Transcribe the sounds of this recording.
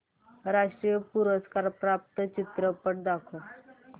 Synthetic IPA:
ɾaʂʈɾijəpuɾəskaɾpɾap̚t̪ət͡ɕit̪ɾəpəʈ̚d̪akʰo

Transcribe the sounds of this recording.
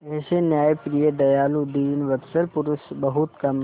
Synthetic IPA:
pɛɦsenjaːjpɾijəd̪ɐjaːlud̪iːnʋɐɾsəlpʊɾʊsbɐɦʊt̪kɐm

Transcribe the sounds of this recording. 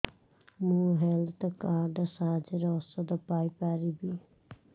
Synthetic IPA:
muɦelt̪kaːɾɖəsaːd͡ʒeɾɔsod̪əpaːipaːɾibi

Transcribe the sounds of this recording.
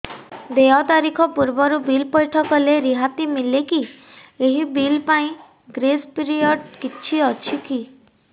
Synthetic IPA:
d̪eɔt̪aɾikʰɔpuɾbɔɾubilpɔjʈʰɔkɔleɾiɦat̪imileki | eɦibilpaĩ | ɡɾespiɾiɔɖkit͡ʃʰiɔt͡ʃʰiki

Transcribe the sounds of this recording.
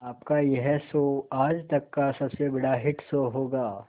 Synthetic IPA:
aːpkajɛɦɛsoːaːd͡ʒt̪ɐkːasɐbsebɐɽaɦɪʈsoɦoːɡaː

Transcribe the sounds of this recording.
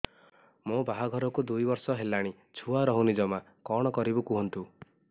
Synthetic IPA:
mõbaɦaɡʱɔɾɔkud̪ujbɔɾsɔɦelaɽ̃i | t͡ʃʰuaɾɔɦunid͡ʒɔma | kɔɽ̃ɔkɔɾibukuɦɔnt̪u

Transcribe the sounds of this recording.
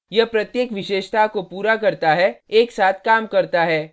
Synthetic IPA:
jɐpɾɐt̪jeːkʋɪʃeːʃt̪ʰaɦkopuːɾakɐɾt̪aɦɛeːksaːt̪ʰkaːmkɐɾt̪aɦɛː

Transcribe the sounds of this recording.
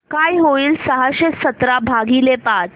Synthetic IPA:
kajɦoiːlsəɦaɕesət̪ɾabʱaɡiːlepat̪

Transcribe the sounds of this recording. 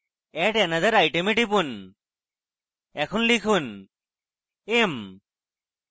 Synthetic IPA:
ɛʈɛnazaɾajʈemiʈipun | ɛkʰɔnlikʰun | em

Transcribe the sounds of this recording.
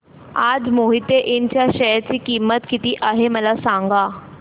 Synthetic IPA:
ad͡zmoɦit̪eʔint͡ɕjaɕəjat͡ɕiːkimət̪kit̪iːʔaɦeməlasãŋɡa

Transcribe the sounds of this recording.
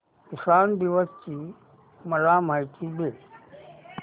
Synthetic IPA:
kɪsaːnd̪ɪʋəst͡ɕiː | mɐlaːmaːikʰiːbeː

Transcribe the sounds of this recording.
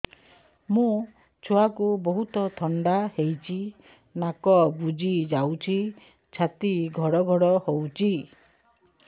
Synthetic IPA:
mũ | t͡ʃʰoakubɔɦut̪ɔt̪ʰɔɳɖahejt͡ʃʰi | nakɔbud͡ʒid͡ʒawt͡ʃʰi | t͡ʃʰat̪iɡʱɔɽɔɡʱɔɽɔhowt͡ʃʰi

